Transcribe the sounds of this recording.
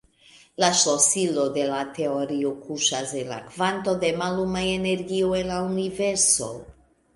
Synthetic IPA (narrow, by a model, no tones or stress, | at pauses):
laʃosilo̞de̞late̞o̞ɾiokuʃase̞nla̰kvanto̞de̞malumaene̞ɾɡioe̞nlauniveɾso̞̰